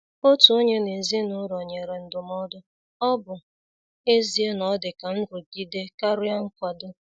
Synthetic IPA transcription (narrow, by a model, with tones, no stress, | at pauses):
o˦tu˨o˦ɲe˦ne˨zi˦nʊ˦ɾɔ˨ɲe˨ɾe˨n̩˦dʊ˨m˦ɔ˦dʊ˦ | ɔ˦bʊ˨ | e˦zi˦e˦nɔ˦dɪ˨ka˨n̩˦ɾʊ˨ɡi˦de˦ka˦ɾʊ˦ja˦ŋ̩˦kʷa˨dʊ˦